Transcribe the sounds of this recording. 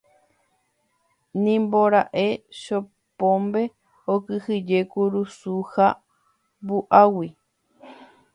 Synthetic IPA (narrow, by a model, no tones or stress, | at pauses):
nĩmboɾaʔe̞ʃo | põmbe̞ | okɨhɨd͡ʒekuɾusuha | buʔawi